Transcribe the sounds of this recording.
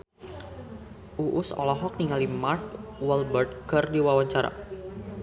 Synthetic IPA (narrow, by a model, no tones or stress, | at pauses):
ʔuʔʊsɔ̰lɔɦɔk̚niŋalimarkwɛlbərt̪̚ɡərdiwawaɲt͡ʃaɾa̰